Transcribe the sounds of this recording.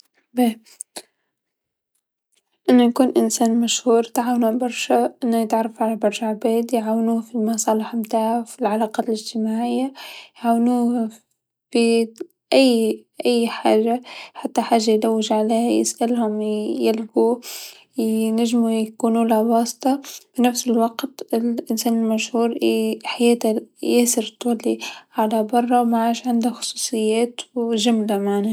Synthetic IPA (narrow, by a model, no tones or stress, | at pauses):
be | ʔɪnːʊjkuːnʔɪnsaːnmaʃhuːɾt̪ʕaːwnubɑɾˤʃaʔɪnːajɪt̪ʕɑrˤːɑfʕalabɑɾˤʃaʕbeːd̪jʕaːwnuːfimɑsˤɑːlɪħmt̪aːʕafilʕalaːqɑːlɪd͡ʒt̪ɪmaːʕɪjːajʕaːwnuː | fi | ʔajːʔajːħaːʒaħat̪ːaħaːʒːajlawːɪʒʕaleːhajɪ̰sʔalhʊmjɪlɡu | naʒmujakuːnulabɑːst̪ˤɑb̥ɪnafsɪlwɑqt̪ɪlʔɪnseːnɪlmaʃhuːɾħajeːt̪ajeːsɪɾt̪ˤuːlːiʕalabɑrˤːɑwmaʕaːʃʕɪnd̪axʊ̥sˤu̥ːsˤɨjːaːt̪wʒʊmlamaʕna